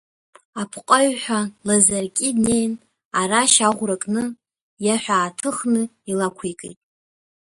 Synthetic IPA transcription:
apʰqʼaɥħʷᶣalazarkʲʼidnejn | aɾaʃaʁʷrakʼnɨ | jaħʷaːtʰɨχnɨ | ilakʷʰekʼḛjtʼ

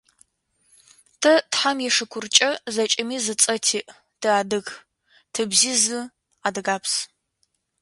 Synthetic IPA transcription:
tʰɐtħamjɛʂɨkʷʰʊrt͡ʃʼɐzɐt͡ʃʼɐmiːzɨt͡sʼɐtʰiːʔ | d̥ɨaːdɨɣ | tʰɨbziːzɨ | adɨɡaːpʰs

